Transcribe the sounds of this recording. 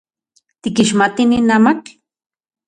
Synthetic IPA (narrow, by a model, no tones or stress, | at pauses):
t̪ikiʃmat̪ininamak